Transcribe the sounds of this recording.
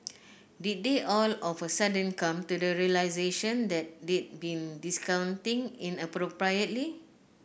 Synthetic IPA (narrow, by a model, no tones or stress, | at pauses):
dit̚deʔɔlɔfəsadə̃nkãmtudəɹiəlaɪzeʃə̃ndɛt̚dit̚bĩndiskãw̃ntĩŋĩnəpɾopɹajət̚li